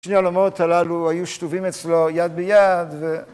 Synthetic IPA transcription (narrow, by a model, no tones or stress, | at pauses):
ʃnealomo̞t̪alaluhajuʃtuvimet͡slo̞jad̪bejad̪ve